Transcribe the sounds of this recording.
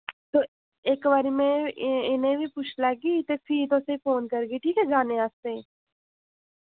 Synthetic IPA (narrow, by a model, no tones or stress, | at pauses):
t̪oː | ekʋaːɾiːmɛ̃ːɪnẽːbʱiːpʊt͡ʃʰləɡiːt̪eːfʰiːt̪oːsefoːnkəɾɡiːʈʰiːkɛːd͡ʒaːnẽːaːst̪ẽː